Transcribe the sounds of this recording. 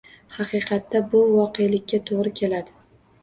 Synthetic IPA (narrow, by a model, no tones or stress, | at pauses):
hɑqʰɨjqʰɑt̪ːabʊvɒqejlɪkʲːat̪ʰoʁɾɪkʲʰe̞lad̪ɪ